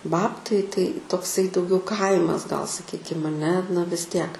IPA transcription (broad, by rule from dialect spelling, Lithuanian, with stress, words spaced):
ˈbɑːptɐɪ tɐɪ toːkˈsɐɪ dɐʊˈɡʲɛʊ ˈkɐɪmɐs ɡɐlˠ sɐˈkʲiːkʲɪm ɐˈnʲɛ nɐ ʋʲɪs ˈtʲiɛk